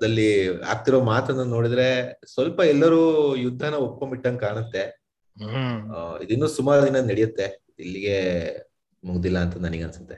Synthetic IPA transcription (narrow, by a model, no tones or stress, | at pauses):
ɐd̪ɐlːia̰ːɡ̚t̪iɾo̞ːmaːt̪ɐnːɐnːo̞ːɽid̪ɾe̞sʋɐlpɐɛlːɐɾuːjud̪ʱːɐnɐop̚kombiʈːɐnkaːɳɐt̪ːe̞ | id̪inːuːsumaːɾɐd̪inɐnɐɽijɐt̪ːe̞ | ilːiɡe̞ | muɡd̪ilːɐːnt̪ɐnɐniɡeɐnsu̥t̪ːe